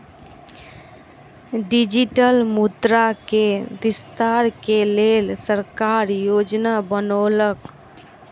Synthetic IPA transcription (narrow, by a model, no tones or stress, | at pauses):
ɖid͡ʒiʈəlmud̪ɾakebist̪aɾkelelsəɾkaɾjod͡ʒnabənolək